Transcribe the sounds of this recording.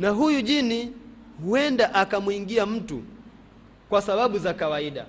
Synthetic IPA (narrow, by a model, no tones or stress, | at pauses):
naɦujuʄini | huɛndaʔakamwiŋɡiam̩tṵ | kwasaɓaɓuzakawaiɗa̰